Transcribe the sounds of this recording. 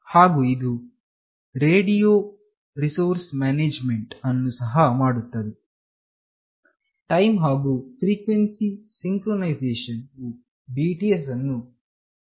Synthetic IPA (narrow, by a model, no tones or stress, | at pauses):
haːɡuːid̪u | ɾeːɖijoː | ɾisoːɾsmaːneːd͡ʒmeɳʈɐnːusɐɦɐmaːɽut̪ːɐd̪e | ʈɐjmɦaːɡufɾiːkʋensisiŋkɾonɐjzeːʃɐnu | biːʈies̬ɐnːu